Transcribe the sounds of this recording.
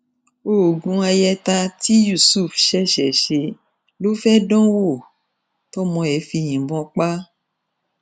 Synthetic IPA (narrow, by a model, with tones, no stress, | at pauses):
o˦˨ɡũ˧˦a˧jɛ˧ta˧ti˦ju˦˨su˦˨fʃɛ˦ʃɛ˨ʃe˧˦ | lo˦fɛ˦dɔ̃˦wo˦˨ | tɔ˦mɔ̃˧ɛ˨˦fi˧j̃ĩ˨bɔ̃˧˦k͡pa˦